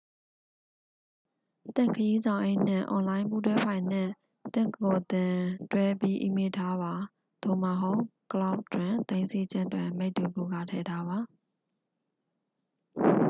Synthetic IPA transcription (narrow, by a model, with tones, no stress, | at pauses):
t̪ɪ̰̃˦˨ŋkʰəji˦zã˨ʊ̃ʔe˦ɪʔn̥ɪ̰̃˦˨ʔɔ̰̃˨nlã˦ɪ̃mpu˦twɛ˦pʰã˨ɪ̃n̥ɪ̃˦˨ | t̪ɪ̰̃˦˨kəkɔ˨t̪ɪ̃˨twɛ˦pji˦ʔḭ˨me˦˨tʰa˦ba˨ | d̪̥o˦˨ma˨ɦo˦ʊkəla˦ʊʔtwɪ̃˨t̪ẽ˦nse˦d͡ʑɪ̃˦ndwɪ̃˨me˦ɪʔt̪u˨bo̰˦˨ɡa̰˦˨tʰɛ˨tʰa˦ba˨